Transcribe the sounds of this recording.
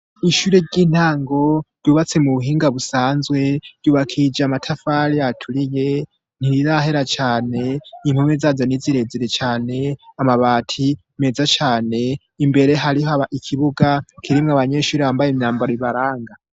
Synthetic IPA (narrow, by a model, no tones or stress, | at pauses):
iʃuɾeɾɟiːn̥haːŋɡo̞d̥uβat͡se̞muβuɦiːŋɡaβusaːnzwe̞d̥uβakʰid͡ʒamatʰafaɾiatʰuɾije | n̥iɾizaɦe̞ɾat͡ʃaːne̞imhumezazaniziɾe̞ziɾet͡ʃaːne̞amaβatʰi | me̞zat͡ʃaːne̞ː | mbe̞ɾe̞ɦaɾihoaβaʔikʰiβuɡakʰiɾimŋaβaɲeːʃuːɾehambajemɲaːmbaɾoiβaɾaːŋɡa